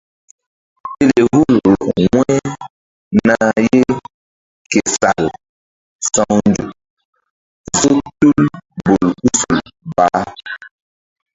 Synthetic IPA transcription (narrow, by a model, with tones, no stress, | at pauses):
e˦le˨ɦu˦lɾo˨ŋwɛ˦ | na˦je˦ | ke˨sa˨l | sã˦wn˦d͡ʒu˨ | zo˦tu˦lbo˨lu˦su˨lba˨˦